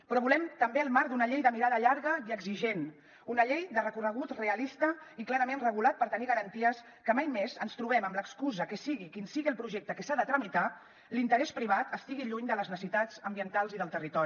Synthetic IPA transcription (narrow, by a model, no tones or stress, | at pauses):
pɾɔβulɛmt̪əmbeəlˠmaɾd̪unəʎejðəmiɾaðəʎaɾɣəiəɡziʒen | unəʎejd̪ərəkurəɣ̞ut̪reəlist̪əiklaɾəmenrəɣ̞ulat̪̚pəɾt̪əniɣəɾənt̪iəs | kəmajmezənst̪ɾuβ̞ɛməmləkskuzəkəsiɣikinsiɣiəlˠpɾuʒɛk̚t̪əkəsaðət̪ɾəmit̪a | lint̪əɾɛspɾiβ̞at̪əst̪iɣiʎuɲd̪ələznəsit̪azəmbiənt̪alˠziðəlˠt̪ərit̪ɔɾi